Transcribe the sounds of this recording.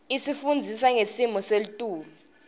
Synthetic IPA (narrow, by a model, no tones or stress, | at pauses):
isifund͡zʱisaŋesimɔselitʼuːlu